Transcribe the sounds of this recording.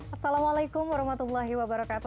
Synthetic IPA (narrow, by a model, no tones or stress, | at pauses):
ʔɐsːalamalajkʊmwaɾɔhmat̪ulˠːaɦiwabaɾakaːt̪u